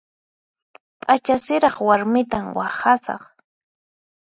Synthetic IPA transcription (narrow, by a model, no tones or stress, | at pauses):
pʼat͡ʃasɪɾɑχwaɾmɪt̪amwaχasɑ̰χ